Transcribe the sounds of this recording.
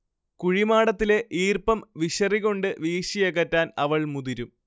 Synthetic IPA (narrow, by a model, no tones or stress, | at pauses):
kuɻimaːɽɐt̪ːile̞ʔiːrpɐmʋiɕɐriɣo̞ɳɖɨʋiːɕijeɣɐtːaːnɐʋɐɭmuðiɾum